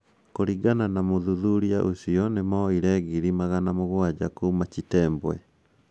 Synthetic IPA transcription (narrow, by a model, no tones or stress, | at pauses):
koɾiɡananamoðuðuɾiaʔosiɔnemɔiɾɛɣiɾimaɣanamoɣwad͡ʑakuːmat͡ʃitɛːmbwɛ